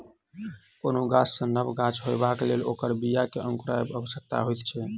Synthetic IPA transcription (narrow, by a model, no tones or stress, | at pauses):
konoɡat͡ʃsə̃nəbɡat͡ʃɦojbakelelokəɾbijakeʔə̃ŋkuɾajebəbəsək̚t̪a̰ɦojkt͡ʃʰɛ